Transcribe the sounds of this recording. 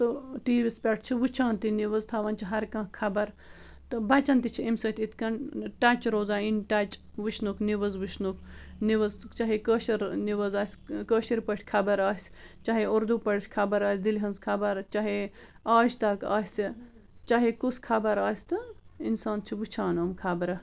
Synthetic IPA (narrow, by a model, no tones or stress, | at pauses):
t̪ɨʈiːʋispʲɐʈ̚ʰt͡ʃʰiʋut͡ʃʰaːnt̪iniʋɐzt̪ʰɐʋɐnt͡ʃʰiɦɐɾkɐ̃kʰɐbɐɾ | t̪ɨbɐt͡ʃɐnt̪it͡ʃʰiemsɐt̪it̪ʰkɐnʈɐt͡ʃɾoːzaːinʈɐt͡ʃʋuʃʰnukʰniʋɐzʋiʃʰnukʰniʋɐzt͡ʃɐɦikəːʃiɾniʋəzaːsʲkəːʃiɾpəʈʰʲkʰɐbɐɾaːsʲt͡ʃɐɦioɾd̪upəɽʈʰʲkʰɐbɐɾaːsʲd̪ilɦɐnzkʰɐbɐɾt͡ʃaɦe | aːʒt̪ɐɾkaːsʲi | t͡ʃaɦikuskʰɐbɐɾaːsʲt̪ɨinsaːnt͡ʃʰiʋut͡ʃʰaːnoːmkʰɐbɐɾɐ